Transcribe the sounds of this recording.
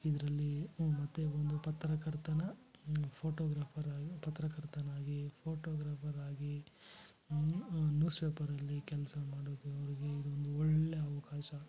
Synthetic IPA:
id̪ɐɾɐlːimɐt̪ːeond̪upɐt̪ɾɐkɐɾt̪ɐnɐpʰoːʈoːɡɾaːpʰɐɾaːpɐt̪ɾɐkɐɾt̪ɐnaːɡipʰoːʈoːɡɾaːpʰɐɾaːɡi | unjuːspeːpɐɾɐlːikɛlɐsɐmaːɽoːd̪uɐʋɐɾiɡe̞id̪uond̪uɔɭːejɐʋɐkaːʃɐ

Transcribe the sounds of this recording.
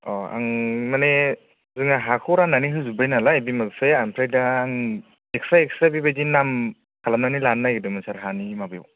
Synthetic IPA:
ɔa̰ŋmane | zɯŋaɦakʰɯɾanːaniɦɯzubajnalaebimasejampʰɾajdaaŋ | ek̚saek̚sabibajdinam | kʰalamnanilanːajɡɯdɯmasaɾɦanimabaj̰w

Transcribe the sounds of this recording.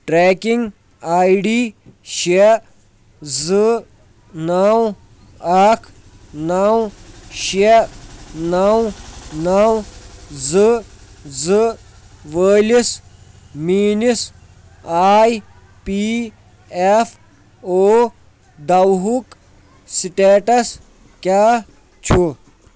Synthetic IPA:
ʈɾeːkiŋɡ | aːiɖiːʃe | zɨ | naːw | aːkʰ | naːwʃe | nawnaːwzɨ | zɨ | ʋəːlis | miːnis | aːj | pi | ef | oː | d̪ɐwɦuk | siʈeːʈɐs | kʲaː | t͡ʃʰu

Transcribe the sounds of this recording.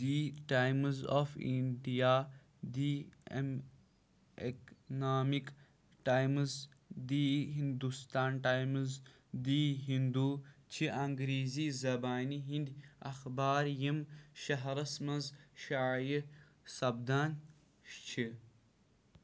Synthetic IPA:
diʈaːjmzofḭɳɖijaː | d̪ḭm | eknaːmik | ʈaːjmz | d̪iːɦind̪ust̪aːnʈaːjmz | d̪iːɦind̪uːt͡ʃʰiʔɐŋɡɾiːziːzɐbaːniɦind̪ʲɐ̰xbaːɾjimʃɐɦɾɐsmɐnzʃaːji | sɐbd̪aːnʲ | ʃt͡ʃʰi

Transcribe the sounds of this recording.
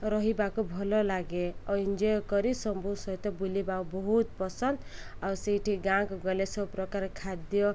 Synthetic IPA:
ɾʌɦibakobʱɔlɔlaɡeʌind͡ʒɔjkɔɾisʌmbʱusʌjt̪ɔbulibaũbɔɦut̪̚pɔsʌnd̪awsiʈʰiɡãkɡɔlesʌpɾɔkaɾkʰad̪jɔ

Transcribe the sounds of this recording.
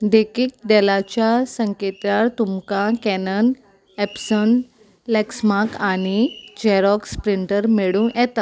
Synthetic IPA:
d̪ekik̚ɖɛlat͡ɕjasəŋket̪aɾt̪umkakɛnən | ɛpsən | lɛksmakaɽ̃id͡ʑɛɾɔkspɾiɳʈəɾmeɭũːʔɛt̪a

